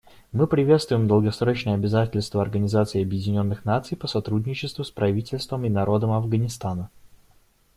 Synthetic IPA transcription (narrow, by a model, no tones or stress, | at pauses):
mɨpɾʲɪvʲe̞t̪st̪vʊjɪmd̪əlˠɡɐsɾo̞t͡ɕnəjəɐbʲɪzatʲɪlʲst̪vəɐrɡənʲɪzat̪sɨɪɐbjɪdʲɪnʲo̞nːɨxnat̪sɨjpəsɐt̪ɾudʲnʲɪt͡ɕɪst̪vʊspɾɐvʲitʲɪlʲst̪vəmɪnɐɾo̞d̪əmɐvɡənʲɪst̪anə